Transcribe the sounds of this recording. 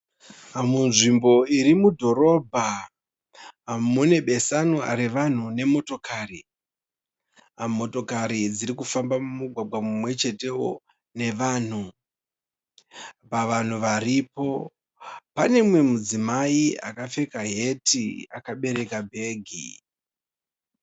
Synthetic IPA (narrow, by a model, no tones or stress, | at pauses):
munʐimbo̞iɾimudʱo̞ɾo̞bʱa | mune̞ɓe̞sanua̰ɾiʋan̤une̞mo̞to̞kaːri | mo̞to̞kaɾid͡ziɾikufambamumuɡʱwaɡʱwamumwe̞t͡ʃe̞te̞wo | ne̞ʋaːn̤u | paʋan̤uʋaripo̞ | pane̞mwe̞mud͡zimaia̰kafe̞kaɦe̞tʰiakaɓe̞ɾe̞kabʱe̞ːɡʱḭ